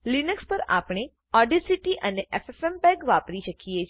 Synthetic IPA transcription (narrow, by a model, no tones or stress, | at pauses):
linəkspəɾa̰pɳ̃e | ɔɖisiʈiʔəneʔefesɛmpɛɡʋapɾiʃəkie